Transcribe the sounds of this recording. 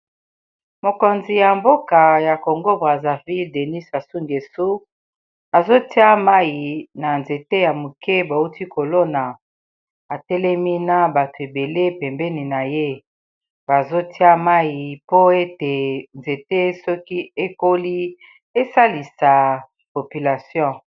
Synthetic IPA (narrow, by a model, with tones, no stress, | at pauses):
mo˨ko˨nzi˨ja˨mbo˦ka˨ja˨ko˨ŋɡo˦bʁa˨za˨vi˦lde˨ni˦sa˨su˦ŋɡe˨su˦ | a˨zo˦ti˦a˦ma˦ji˨na˨nze˨te˦ja˨mu˨kɛ˦bo˨u˦ti˦ko˨lo˦na˨ | a˨tɛ˦lɛ˦mi˦na˦ba˨to˨e˨be˨le˦pɛ˨mbɛ˦ni˨na˨je˦ | ba˨zo˦ti˦a˦ma˦ji˨po˦e˦te˨nze˨te˦sɔ˦ki˦e˦ko˦li˦ | e˦sa˦li˨sa˨ | po˨py˨la˨sjɔ̃˦˨